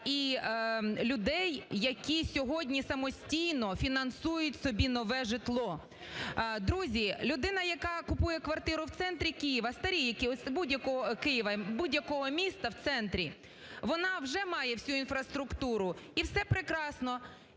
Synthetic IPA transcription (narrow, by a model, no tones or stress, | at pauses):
i | lʲʊd̪ɛjːɐkʲisʲɔɦɔdʲnʲisɐmɔsʲtʲijnɔfʲinɐnsujʊtʲsɔbʲinɔʋɛʒɪt̪lˠɔ | d̪ɾuzʲilʲʊd̪ɪnɐjɐkɑkʊpujɛkʋɐrt̪ɪɾʊwt̪sɛnt̪ɾʲikijiʋɐst̪ɐɾʲijikɪsʲbudʲjɐkɔɦɔkɪjiʋɐbudʲjɐkɔɦɔmʲist̪ɐwt̪sɛnt̪ɾʲi | ʋɔnɑwʒɛmɑjɛwsʲuinfɾɐst̪ɾʊkt̪uɾʊiwsɛpɾɪkɾɑsnɔ